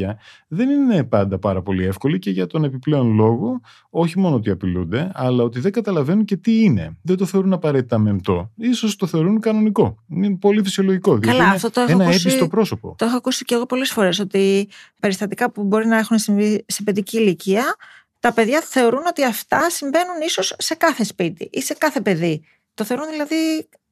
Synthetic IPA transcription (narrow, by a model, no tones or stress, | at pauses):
ɐðe̞nine̞pɐnd̪ɐpɐɾɐpo̞lie̞fko̞lice̞ʝɐt̪o̞ne̞piple̞o̞nlo̞ɣo̞ | o̞çimo̞noot̪iɐpilund̪e̞ɐlɐo̞t̪iðe̞ŋɡɐt̪ɐlɐve̞nunce̞t̪iine̞̰ðend̪oθeoɾunɐpɐɾe̞t̪it̪ɐmemt̪o̞̰isost̪o̞θe̞o̞ɾunkɐno̞niko̞inepo̞lifisio̞lo̞ʝiko̞ðikɐlɐɐeft̪ot̪oeonɐepisst̪opɾo̞so̞po̞̰t̪oexoɐkusiceɣo̞po̞le̞sfo̞ɾe̞so̞t̪ipe̞ɾist̪ɐt̪ikɐpubo̞ɾinɐe̞xunsiise̞pe̞ðiciːliciɐ | t̪ɐpe̞ðʝɐθe̞o̞ɾuno̞t̪iɐft̪ɐsiɱve̞nuniso̞sːe̞kɐθe̞spit̪ḭʔise̞kɐθe̞pe̞ði | t̪o̞θeoɾunðilɐði